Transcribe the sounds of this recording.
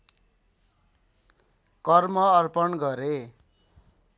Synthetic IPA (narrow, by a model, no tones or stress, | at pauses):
kʌrmʌːrpʌnɡʌɾe